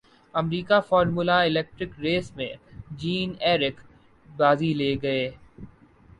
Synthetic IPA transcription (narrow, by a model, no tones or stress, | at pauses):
ɐmɾiːkafɔːɾmuːlaɪlɛːk̚ʈɾɪkɾeːsmḛ̃d͡ʒiːnɛːɾɪk | baːzileːɡɐeː